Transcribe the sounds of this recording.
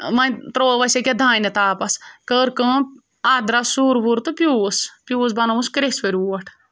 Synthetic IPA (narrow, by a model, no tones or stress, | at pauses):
mɐnʲt̪ɾoːʋɐsʲɐkʲɐd̪ʱãːjnɐt̪aːpɐskəːɾkɐ̃ | aːd̪ɾasuːɾbuɾt̪ɨpʲjuːspʲjuːsbɐnɐʋuskɾesʋɐɾʲuːɐʈʰ